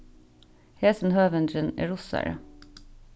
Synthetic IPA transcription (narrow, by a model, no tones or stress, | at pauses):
heːsn̩høːʋənd̪ɾənḛːɹʊsæ̰ɾə̰